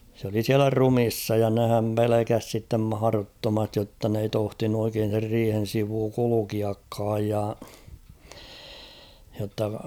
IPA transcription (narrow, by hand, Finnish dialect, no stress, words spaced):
s oli siælæ rumisːɑ jɑ nehæm pelekæs sitːem mɑhɑˑrotːomɑstij jotːɑ n ei tohtinu oikeːn̞ ser riːhen̞ siʋuː kulukiɑkːɑːj jɑ jotːɑ